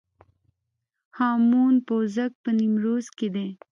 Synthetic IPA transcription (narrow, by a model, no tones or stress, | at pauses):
hɑːmuːnpoːzak̚pənimɾoːzked̪e